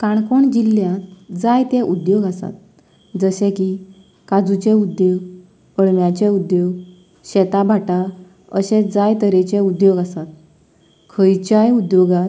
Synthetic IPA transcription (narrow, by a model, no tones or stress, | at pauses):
kaɳkoɳd͡ʑiljat̪d͡zajt̪ẽʔud̪joɡasa̰t̪̚ | d͡zəɕẽki | kad͡zut͡ɕeud̪joɡ | əɽmjat͡ɕeud̪joɡ | ɕɛt̪abʱaʈa | əɕɛ̃d͡zajt̪əɾet͡ɕeud̪joɡasat̪̚ | kʰəjt͡ɕajud̪joɡa